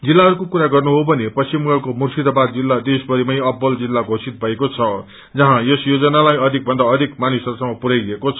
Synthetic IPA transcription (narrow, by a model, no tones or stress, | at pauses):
d͡zilːaɦʌɾukokuɾaɡʌrnuɦobʱʌnepʌsimɡʌkomursid̪ʌbad̪d͡zilːad̪esbʌɾimʌjʌbːʌld͡zilːaɡʱosit̪̚bʱʌekot͡sʰʌ | d͡zʌɦãjesjod͡zʌnalajʌd̪ʱik̚bʱʌnd̪aʌd̪ʱikmanisʌrsʌmʌpuɾajʌekot͡sʰʌ